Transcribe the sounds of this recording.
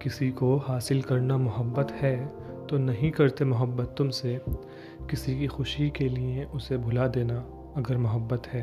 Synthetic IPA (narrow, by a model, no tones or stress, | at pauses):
kɪsikohaːsɪlkɐɾnamʊɦəbːət̪hɛː | t̪onɐɦĩkɐɾt̪emʊɦəbːət̪ːʊmse | kɪsikixʊʃikelieʔʊsebʱʊlad̪eːna | ɐɡəɾmʊɦəbːət̪ɦɛː